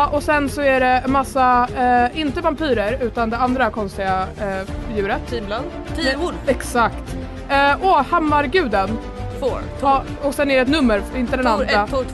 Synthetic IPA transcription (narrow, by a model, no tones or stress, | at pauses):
ʔɔsɛnsɔæɖɛmasːa | ɪnt̪əvampiːɾəɾʉ̟ːt̪and̪ɛand̪ɾakʰɔnst̪ɪɡa | jʉ̟ːɾət̪ʰ | ɛksakt̪ː | ɔhɛmːaɾɡʉ̟ːd̪ən | fʰ | ɔksɛnːɛɾɖɛt̪̬nɵmːəɾɾɪnt̪əd̪ɛnand̪ɾa